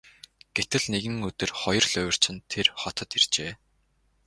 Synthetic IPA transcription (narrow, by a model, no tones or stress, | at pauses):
ɡ̥et̪ɘ̆ɮneɣɘ̆ŋɵt̪ɘ̆rχɔjɞ̆rɮœwʲɪ̆r̥t͡ɕɪ̆nt̪ʰːerχɔt̪ə̆t̪irt͡ɕeː